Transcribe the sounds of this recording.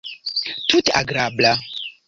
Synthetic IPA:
tuta̰ɡɾabla

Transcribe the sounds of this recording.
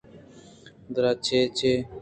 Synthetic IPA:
d̪ɾat͡ʃʰeːt͡ʃʰeː

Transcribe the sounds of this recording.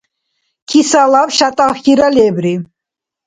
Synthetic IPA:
kʰisalabʃat̪ʼaxiɾalɛbɾi

